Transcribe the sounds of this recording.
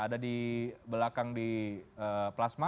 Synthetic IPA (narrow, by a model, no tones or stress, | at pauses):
adadibəlakaŋdiəplasma